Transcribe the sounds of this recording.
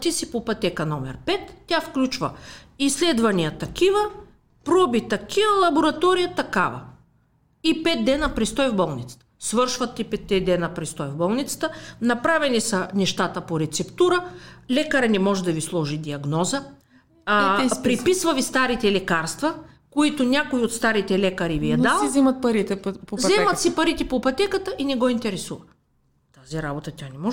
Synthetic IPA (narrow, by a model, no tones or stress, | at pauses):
t̪isipopɐt̪ɛkɐnɔmɛ̰ɾpɛt̪ːʲafklʲut͡ʃvɐ̰islɛd̪vɐnijət̪ɐkivə | pɾɔbit̪ɐkʰivəlˠɐboɾɐt̪ɔɾijɐt̪ɐkavɐ̰ | ipɛt̪̚d̪ɛnɐpɾɛst̪ɔjvbɔlˠnit̪sə̥t̪ə̥svɤɾʃvɐt̪ːipɛt̪ːɛd̪ɛnɐpɾɛst̪ɔjvbɔlˠnit̪sə̥t̪ənɐpɾavɛnisɐnɛʃt̪at̪əpoɾɛt̪sɛpt̪uɾəlɛkɐɾɛnɛmɔʒɛd̪ɐvislˠɔʒid̪iɐɡnɔzə | pɾipisvɐvist̪aɾit̪ɛlɛkaɾst̪vɐ | koit̪onʲakoiot̪st̪aɾit̪ɛlɛkɐɾivijɛd̪alˠizɛmɐt̪̚pɐɾit̪ɛpozɛmɐsipɐɾit̪ɛpopɐt̪ɛkət̪əʔinɛɡɔint̪ɛɾɛsuvɐ | t̪aziɾabot̪ət̪ʲjanɛmɔʒ